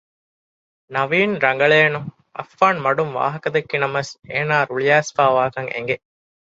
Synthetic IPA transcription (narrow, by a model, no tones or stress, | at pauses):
nɐʋiːnɾɐŋ̆ɡɐɭeːnuŋ | ɐ̰fːaːnmɐɖumʋa̰ːɦɐkɐd̪ekːinɐmɐseːnaːɾuɭijaːsfaːʋaːkɐŋḛŋɡe